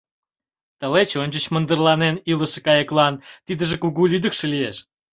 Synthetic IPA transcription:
t̪əlet͡ɕonʲt͡ɕət͡ɕmə̆nd̪ərlɑneniləʃekɑjəklɑnt̪id̪əʒekuɣulyd̪əkʃelieʃ

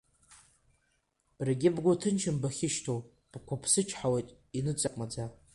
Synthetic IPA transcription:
b̥rɡʲɪbɡʷʊtʰɨnt͡ʃʰɪmbaχʲɪʃtʰow | b̥kʷʰapʰsɨt͡ʃʼʰħawejtʼ | inɨt͡sʼaqʼmad͡za

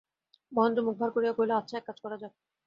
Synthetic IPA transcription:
mɔnomuk̚bʱaɾkoɾijakoileatːt͡ɕʰaɛkːad͡ʑʰʱkɔɾad͡ʑabe

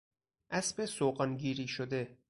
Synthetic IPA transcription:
ʔæsbesoɢɒnɟiːɾiːʃod̪e̞

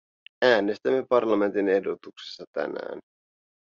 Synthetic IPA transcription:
æːnest̪æmːe̞pɑrlɑme̞nt̪ine̞hdot̪ukse̥sːɑt̪æ̰næ̰ːn

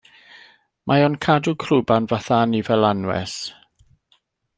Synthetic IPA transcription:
mʔajɔnkʰadukʰrubanvaθanivɛlˠanwɛ̰s

